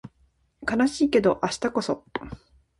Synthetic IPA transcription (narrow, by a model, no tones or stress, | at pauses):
kanaɕiːke̞d̪o̞ʔaɕi̥t̪ako̞so̞